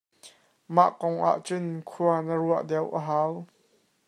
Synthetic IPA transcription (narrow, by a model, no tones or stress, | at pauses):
ma̰ʔkɔŋʔa̰ʔt͡sʊnkʰuɐnəɾuəʔdɛwʔəɦaːw